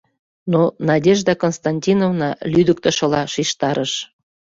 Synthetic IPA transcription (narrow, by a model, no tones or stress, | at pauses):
nonɑdʲeʒd̪ɑkonst̪ɑnʲtʲinovnɑlyd̪əkt̪ə̆ʃɤ̆lɑʃiʃt̪ɑɾəʃ